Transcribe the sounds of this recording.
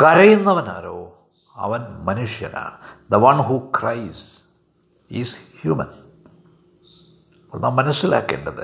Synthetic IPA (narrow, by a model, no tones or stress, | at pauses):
kɐɾɐjinːɐʋɐna̰ːɾoː | ɐ̰ʋɐnmɐnuʂjɐ̰na̰d̪ɐʋɐ̃nɦuːkɾajz | izhjuːmɐ̃n | ɐnːaːmɐnɐsjula̰ːkːḛːɳɖɐd̪ɐ